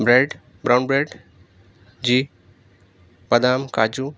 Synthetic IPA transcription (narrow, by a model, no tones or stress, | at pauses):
bɾeːɖ | bɾaːwnbɾeːɖ | d͡ʒi | pɐd̪aːmka̰ːd͡ʒu